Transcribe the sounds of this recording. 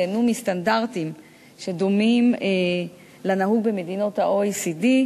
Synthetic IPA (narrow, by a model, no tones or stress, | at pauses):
enumistandaʁtim | ʃe̞do̞mime | lanaɦuɡ̚be̞medino̞thaʔoisidi